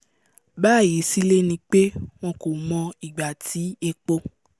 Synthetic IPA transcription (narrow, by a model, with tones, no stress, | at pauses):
baː˦˨je˨˦si˦le˦nĩ˧k͡pe˦w̃ɔ̃˧ko˨mɔ̃˧i˨ɡ͡ba˨tʰi˨˦e˧k͡po˧